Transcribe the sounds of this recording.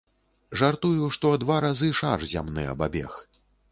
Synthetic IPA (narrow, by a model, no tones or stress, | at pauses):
ʐart̪ujuʂt̪ɔd̪vaɾazɨʂarzʲa̰mnɨ̰ɐ̰babʲɛ̰x